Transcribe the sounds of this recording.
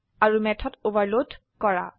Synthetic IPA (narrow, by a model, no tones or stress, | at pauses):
aɹumɛtʰɔtobaɹlod | kɔɹa̰